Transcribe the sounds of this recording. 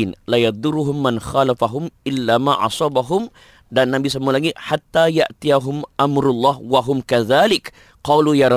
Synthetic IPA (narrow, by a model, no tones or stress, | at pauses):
nlajɑd̪ˤʊɾuɦʊmːanxalafaɦʊmʔɪlːamaʔɑ̰sˤɑbaɦʊm | danːabisamualaɡɪt̪ħat̪ːajaʔt̪ijaɦʊmʔamɾʊlˤːɑhwaɦʊmkaðalɪk | qɑːlujaɾˤ